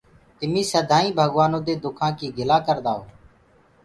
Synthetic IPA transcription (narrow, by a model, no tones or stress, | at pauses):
t̪ɪmĩːsəd̪ʱaːĩːbʱəɡʋaːnõːd̪eːd̪ʊkʰãːkiːɡʱɪlaːkəɾd̪aːɦoː